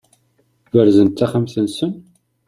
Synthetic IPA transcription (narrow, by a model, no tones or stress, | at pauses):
wəɾzənt̪ːæχəmθənsən